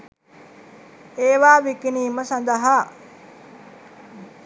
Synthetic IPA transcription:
eːʋaːʋikiniːməsand̪əɦa

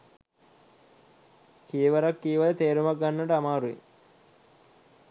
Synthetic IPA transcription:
kijeʋɐɾakːiːʋalət̪eːɾumak̚ɡanːəʈəamaːɾuʋḛ

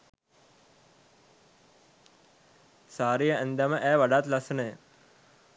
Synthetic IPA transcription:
saːɾijəʔɛnd̪aməʔæːʋaɖat̪lasənəjə

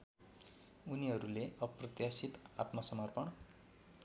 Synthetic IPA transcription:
uniɦʌɾuleʌprʌt̪jasit̪a̰t̪mʌsʌmʌrpʌn

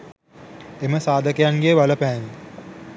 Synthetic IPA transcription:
eməsaːd̪əkejaŋɡeːʋaləpæːni

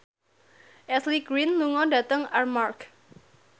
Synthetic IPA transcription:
ʔɛsliɡɾinluŋɔdat̪əŋarmark

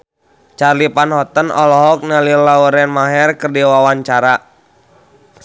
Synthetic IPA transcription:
t͡ʃarlipanhɔt̪ənɔ̰lɔɦɔk̚nəlilawəɾɛnmaɦɛrkərdiwawaɲt͡ʃaɾa

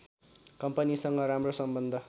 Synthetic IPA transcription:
kʌmpʌnisʌŋɡʌɾamrosʌmbʌnd̪ʱʌ

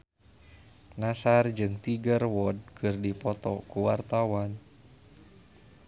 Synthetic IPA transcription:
nasard͡ʒɨŋt̪iɡərwɔd̚kʰɨrdipɔt̪ɔkuwart̪awan

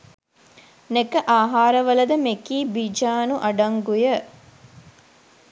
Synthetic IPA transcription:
nekəʔaːɦaːɾɐʋɐlɐd̪əmekiːbid͡ʒaːnuʔɐɖɐŋɡujə

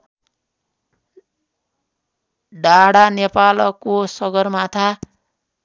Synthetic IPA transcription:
ɖaɽanepalʌkosʌɡʌrmat̪ʰa

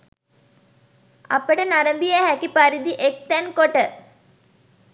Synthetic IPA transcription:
ɐ̰pːɐɽɐnɐɾɐmbijɐɦakːipɐɾid̪iʔek̚t̪ɐnkoʈːɐ

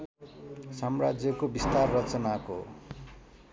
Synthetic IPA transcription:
sʌmrad͡zjʌkobist̪arːʌt͡sʌnako̰

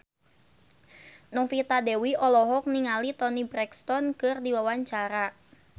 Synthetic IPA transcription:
nɔŋfit̪adɛwiʔɔlɔɦɔk̚niŋalit̪ɔnibɾɛkst̪ɔnkɨrdiwawaɲt͡ʃaɾa

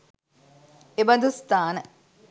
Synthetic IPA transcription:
ebɐnd̪ust̪aːnə

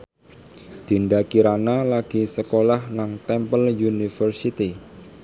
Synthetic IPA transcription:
d̪̥i̤ndakiɾanalaɡ̥i̤səkolahnaŋt̪ɛmpəljunifərsit̪i

